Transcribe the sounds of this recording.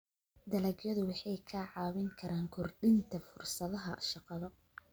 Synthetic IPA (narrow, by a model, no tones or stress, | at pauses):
d̪ɐlɐɡjɐðʊwɑħɑjkʰaːʕɑːwɪŋkʰɐɾʔaːŋkʰʊrɖɪnt̪ʰɐfʊrsɐðɐɦɐʃɑqɑðɔ